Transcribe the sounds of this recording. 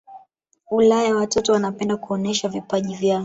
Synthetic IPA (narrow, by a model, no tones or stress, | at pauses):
ulajawatɔtɔwanapɛndakuɔnɛʃavipaʄivjaɔ